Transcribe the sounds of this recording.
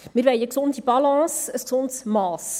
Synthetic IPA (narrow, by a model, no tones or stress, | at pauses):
miɾʋejəksɔndibɑlɑ̃ːsəsksɔntsmɑːs